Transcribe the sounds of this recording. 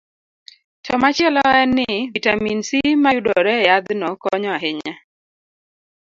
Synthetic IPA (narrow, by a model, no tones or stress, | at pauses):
tʰɔmat͡ʃɛlɔɛnːɪvitaminsimajudɔɾɛjad̪nɔkɔɲɔaɦɪɲa